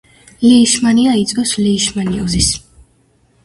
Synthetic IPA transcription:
liːʃmaniait̪sʼɡʼɔsliːʃmaniɔzis

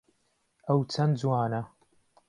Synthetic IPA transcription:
ɐwt͡sʰɐnd͡zwaːnɐ

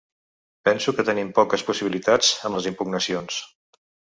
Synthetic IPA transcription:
pɛnsukət̪ənimpɔkəspusiβilit̪ad͡zəmləzimpuɡ̚nəsions

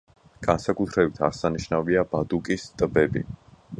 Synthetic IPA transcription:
ɡ̥ansakʼut̪ʰɾɛbit̪ʰaʁsaniʃnaviabad̪ukʼist̪ʼbɛbḭ

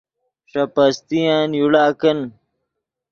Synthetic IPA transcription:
ʂɐpɐst̪ijaːnjuɽaːkɐn

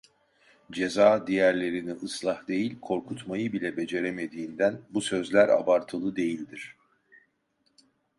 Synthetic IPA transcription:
d͡ʒe̞zaːd̪ijæɾlʲe̞ɾiniʔɯslˠahd̪e̞jilʲkʰo̞ɾkʰut̪majɯbilʲɛbe̞d͡ʒe̞ɾe̞me̞d̪iːnd̪ænbusø̞zlʲæɾa̰baɾt̪ʰɯlˠɯd̪e̞jilʲd̪iɾ̥

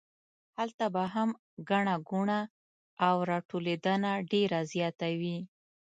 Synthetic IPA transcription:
halt̪abaɦam | ɡaɳaɡuɳa | awɾɑʈoled̪ənaɖeɾazjɑt̪awi

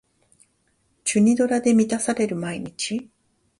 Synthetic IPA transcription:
t͡ɕɨɲ̟id̪o̞ɾad̪e̞mʲit̪asaɾe̞ɾɯ̟maiɲ̟it͡ɕi

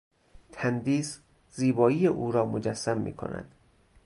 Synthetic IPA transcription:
t̪ʰænd̪iːs | ziːbɒːiːjeʔuːɾɒːmod͡ʒæsːæmːḭːkʰo̞̰næ̰d̪̥

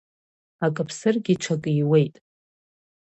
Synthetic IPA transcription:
akʼɨpʰsɨrɡʲiʈ͡ʂʷʰakʼɨijwe̞jtʼ

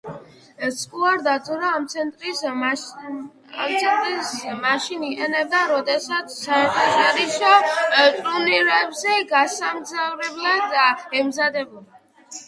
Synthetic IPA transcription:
t̪sʼkʼuaɾd̪at̪ʰɔɾaamt̪sʰɛt̪ʼɾi | mt̪sʰɛnt̪ʼɾismaʃiniqʼɛnɛbd̪aɾɔd̪ɛsat̪sʰsaɛɾt̪ʰɔʃaɾiʃɔt̪ʼuniɾɛbzɛɡasamzavɾɛblad̪aɛmzad̪ɛbulˠa

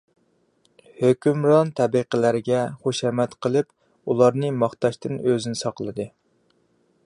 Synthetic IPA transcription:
høkʲymɾɑnt̪ʰɛbiqəlæɾɪɡʲɛχoʃɛmɛt̪qəlˠɨp | ulˠɑɾnɨmɑχt̪ɑʃt̪ʰɨnøzɪnɪsɑqlˠɨd̪ɨ

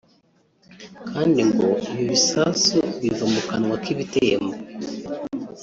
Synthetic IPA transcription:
kʰaːndiŋɡoiβiβisasuβivamukanwakiβitejḛmbo

